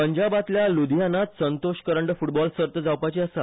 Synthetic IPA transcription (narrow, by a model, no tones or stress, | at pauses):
pəɲd͡ʑabat̪ljalud̪janat̪sənt̪oɕkəɾəɳɖfuʈbɔlsəɾt̪əd͡zawpat͡ɕiəsa